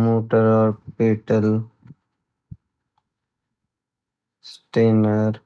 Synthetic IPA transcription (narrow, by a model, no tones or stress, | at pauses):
moːʈəɾɔːɾpiːʈəl | sʈeːnəɾ